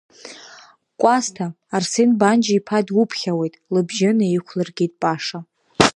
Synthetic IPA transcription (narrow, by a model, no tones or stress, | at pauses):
kʷʼastʰaː | rsenband͡ʒipʰadwʊpʰχʲawe̞jtʼlɨbʒɪnaiχʷʰlɨrɡʲid̚ʼpʼaʂa